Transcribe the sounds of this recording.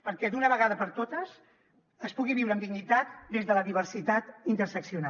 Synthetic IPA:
pəɾkɛd̪unəβəɣaðəpəɾt̪ot̪əs | əspuɣiβiwɾəmd̪iɡnit̪at̪d̪ezðələðiβ̞əɾsit̪at̪int̪əɾsəksiuna

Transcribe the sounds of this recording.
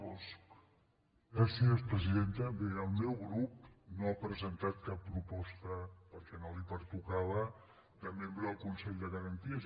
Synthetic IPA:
ɔs | ɣɾasiəspɾəziðent̪əbeəlˠmɛwɣɾup̚noapɾəzənt̪at̪̚kapːɾupɔst̪əpəɾkɛnolipəɾt̪ukaβə | d̪əmembɾəðəlˠkunsɛʎd̪əɣəɾənt̪iəz

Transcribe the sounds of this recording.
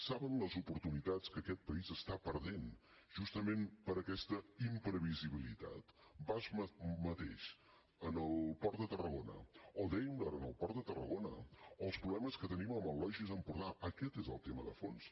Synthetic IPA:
saβənləzupuɾt̪unit̪at͡skəkɛt̪̚pəizəst̪apəɾðen | ʒ̥ust̪əmempəɾəkɛst̪əimpɾəβiziβilit̪a̰t̪bazmmət̪ḛʃ | ənəlˠpɔrt̪d̪ət̪ərəɣonə̰ɔd̪ɛjəmd̪əɾənəlˠpɔrt̪d̪ət̪ərə̰ɣonə̰ɔəlˠspɾuβlɛməskət̪əniməməlɔʒizəmpuɾðaəkɛt̪ezəlˠt̪eməðə̰fons

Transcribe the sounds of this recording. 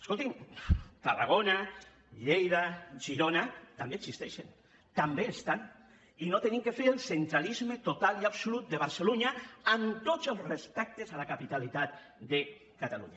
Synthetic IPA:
eskolˠt̪imt̪ara̰ɣ̞ona | ʎejðaʒiɾonat̪ambeɡsist̪ɛʃen | t̪ambeːst̪an | inot̪eniŋkefeɾelˠsent̪ɾalizmet̪ot̪aliapsulut̪̚d̪eβ̞aɾseluɲaːnt̪ozəlˠzrespɛk̚t̪ezalakapit̪alit̪at̪ | d̪e | kat̪alṵɲa

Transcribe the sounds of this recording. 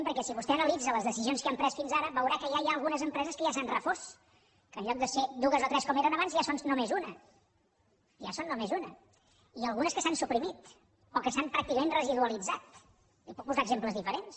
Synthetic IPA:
mpəɾkɛsiβust̪ɛənəlid͡zələzðəsizionskəampɾɛsfinzaɾəβəwɾakəjajaəlˠɣunəzəmpɾɛzəskəʒasanrəfos | kəːnʎɔk̚d̪əsed̪uɣəzɔt̪ɾɛskɔmeɾənəβanzjasonnumezunə | ja̰sonːomezunə | iəlˠɣunəskəsansupɾimit̪ | ɔkəsampɾak̚t̪ikəmẽnrəziðuəlid͡zat̪̚ | iput̚puzaəɡzempləzðifəɾens

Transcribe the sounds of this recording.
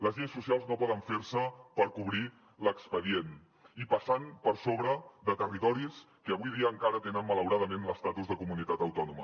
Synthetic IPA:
ləzʎejsːusialˠznopɔðəɱfeɾsəpəɾkuβɾi | ləkspəðien | ipəsanpəɾsoβɾəðət̪ərit̪ɔɾis | kəəβ̞ujðiəːŋkaɾət̪enəmmələwɾaðəmenləst̪at̪uzðəkumunit̪at̪əwt̪ɔnumə̰

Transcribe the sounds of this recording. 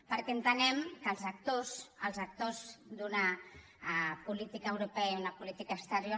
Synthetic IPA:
pəɾkɛənt̪ənɛmkəlˠzak̚t̪osəlˠzak̚t̪ozd̪una | pulit̪ikaːwɾupɛaunapulit̪ikaːst̪əɾjo

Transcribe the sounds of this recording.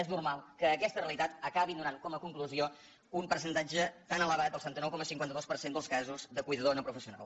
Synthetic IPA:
ɛznurmalˠkəːkɛst̪əreəlˠit̪at̪əkaβind̪unaŋkɔməkuŋkluzio | umpəɾsənt̪ad͡ʒət̪anələβat̪̚əlˠsət̪ɛnt̪ənɔwkɔməsiŋkwant̪əðospəɾsend̪əlˠskazuzðəkujðəðonəpɾufəsiuna̰lˠ

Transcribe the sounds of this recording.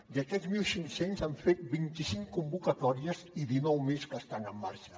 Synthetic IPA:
d̪əkɛd̪zmilˠsiŋsenzaɱfet̪̚bint̪isiŋkumbukət̪ɔɾiəziðinɔwmeskəːst̪anəmːaɾʃə

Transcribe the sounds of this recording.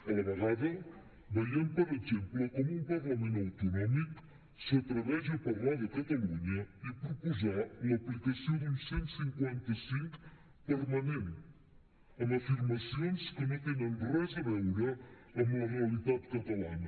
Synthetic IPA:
ɛɾɐʁaðɐ | bɐjɐ̃mpɔɾetẽmplukomũpɐɾlˠɐmẽnɐwt̪unɔmiku̥ | sɨɐt̪ɾɐβɛzd̪ɐpɐɾlˠaðɐkɐt̪ɐlˠuɲɐipɾupuzaɾumɐplikɐsɐ̃w̃d̪ũsẽnt̪u̥sĩŋkwẽnt̪ɐsĩŋku̥ | pɐɾmɐnẽnt̪ | ɐnɐfiɾmɐsõj̃skɨmet̪enɐ̃nrɔzɐβɐuɾɐ | ɐmũɐʁiɐlˠiðaðkɐt̪ɐlˠaɲɐ

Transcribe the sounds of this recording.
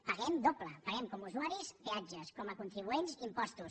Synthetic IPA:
pəɣɛmd̪opləpəɣɛmkomuzuaɾispiad͡ʒəskɔməkunt̪ɾiβuenzimpɔst̪us

